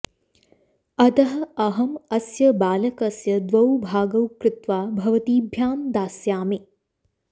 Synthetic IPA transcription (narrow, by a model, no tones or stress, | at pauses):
ɐt̪ɐɦɐ̆ɐɦɐmɐsjɐbaːlɐkɐsjɐd̪ʋɐwbʱaːɡɐwkɾɪt̪ʋaːbʱɐʋɐt̪iːbʱjaːmd̪aːsjaːmi